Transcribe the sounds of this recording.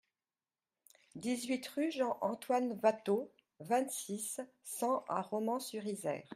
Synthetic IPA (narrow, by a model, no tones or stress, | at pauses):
d̪izɥit̪ʁyʒɑ̃ʔɑ̃t̪wanvat̪o | vɛ̃t̪sisː | ɑ̃ʔa̰ʁɔmɑ̃syʁizɛ̰ːʁ